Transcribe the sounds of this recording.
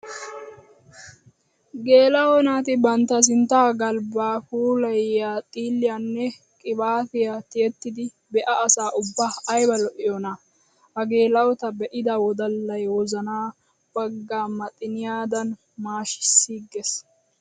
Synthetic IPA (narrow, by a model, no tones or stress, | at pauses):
ɡe̞ːlɐwɔnaːt̪ɪbɐnt̪ːɐs̬ɪnt̪ːaːɡɐlbaːkuːlɐjjaːt̪ʼiːlːɪjanːɛ | kʼɪbaːt̪ɪjat̪ɪɛt̪ːɪd̪ɪ | bɛʔɐːsaːʔʊbːaɐjbɐlɔʔɪjɔna | ɐɡe̞ːlɐwɔt̪ɐbɛʔɪd̪ɐwɔd̪ɐlːɐjwɔzɐnaː | b̥ɐɡːaːmɐt̪ʼɪnɪjaːd̪ɐn | maːʃɪ̥sːiːɡːɛs